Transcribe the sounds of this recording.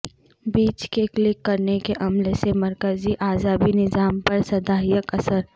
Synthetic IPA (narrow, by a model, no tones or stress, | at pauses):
biːt͡ʃkeklɪkːɐɾnekeʔɐmlesemɐɾkəziʔaːzaːbinɪzaːmpɐɾsɐd̪aːijəkɐsəɾ